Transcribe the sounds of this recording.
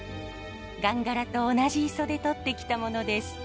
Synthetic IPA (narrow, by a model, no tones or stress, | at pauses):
ɡãŋɡaɾat̪o̞ːnaʑiiso̞d̪e̞t̪o̞t̪ːe̞kʲi̥t̪amo̞no̞d̪e̞sɨ̥